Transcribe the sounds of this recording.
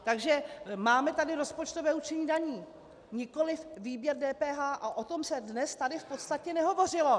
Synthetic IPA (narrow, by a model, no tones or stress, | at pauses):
t̪aɡʒɛmaːmɛt̪adɪɾo̞spot͡ʃt̪o̞vɛːut͡ʃɛɲiːdaɲiː | ɲɪko̞lɪfviːbjɛɾdɛːpɛːɦaːʔaʔo̞t̪o̞msɛdnɛst̪adɪfpot̪st̪acɛnɛɦo̞vo̞r̝ɪlo̞